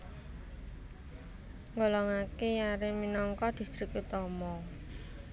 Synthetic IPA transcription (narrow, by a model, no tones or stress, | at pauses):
ŋɔlɔŋakejaɾɪminɔŋkɔd̪̥i̤st̪ɾikut̪ɔmɔ